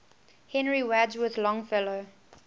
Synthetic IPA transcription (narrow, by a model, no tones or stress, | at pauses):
hɛ̃nɹiwæd͡ʒwəðlɔ̃ŋfɛlo